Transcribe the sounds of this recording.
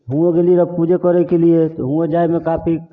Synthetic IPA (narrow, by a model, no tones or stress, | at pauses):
ɦũekelieɾəbpud͡ʒʱekəɾɛkeliet̪ɔɦũed͡ʒajmekapʰi